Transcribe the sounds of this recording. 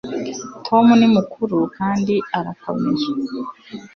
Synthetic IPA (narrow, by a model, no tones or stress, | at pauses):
tʰo̞munimukʰuɾukʰaːndiaɾakʰo̞̰meze